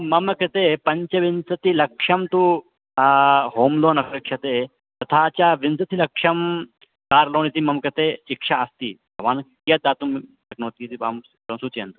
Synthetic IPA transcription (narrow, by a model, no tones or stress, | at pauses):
mɐmɐkɐt̪eːpɐɲt͡ʃɐʋinsɐt̪ilɐkʂɐmt̪u | ɦoːmloːnɐɾɐkʂʰɐt̪eː | t̪ɐt̪ʰaːt͡ʃaʋinsɐt̪ʰilɐkʂɐm | kaːɾloːnit̪iːmɐmkɐt̪eːʃikʂaɐst̪iːbʱɐʋaːnkijɐt̪d̪aːt̪um | ɐknoːt̪iːt̪ia̰m | ɐnsut͡ʃḛːnt̪u